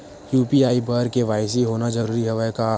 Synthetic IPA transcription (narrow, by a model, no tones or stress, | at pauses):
juːpiaːibəɾkeʋaːɪs̬iɦoːnad͡ʒəɾuːɾiɦɐʋaka